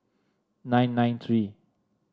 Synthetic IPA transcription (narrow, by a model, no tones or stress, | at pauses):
nãj̃nːãɪ̃nt̪ʰɹi